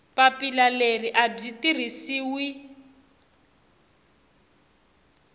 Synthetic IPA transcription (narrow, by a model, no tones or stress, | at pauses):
papilaleriʔab͡ʐitir̤isiːwi